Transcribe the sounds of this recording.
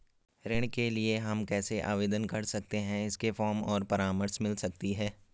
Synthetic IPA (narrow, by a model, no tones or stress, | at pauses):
ɾɪɽ̃kelieɦɐmkɛːseʔa̰ːʋeːd̪ənkɐɾsɐk̚t̪eɦɛ̃ɪskefɔːɾmɔːɾpɐɾaːməɾsmɪlsɐk̚t̪iɦɛː